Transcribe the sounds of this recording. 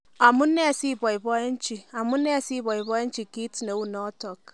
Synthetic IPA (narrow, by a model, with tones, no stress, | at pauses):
a˨mu˦nːe˦˨si˦bɔ˨jbɔ˦je˦nt͡ʃi˨a˨mu˦nːe˦˨si˦bɔ˨jbɔ˦jɛ˦nt͡ʃi˨ɡi˦tne˨u˦nɔ˦tɔ˨k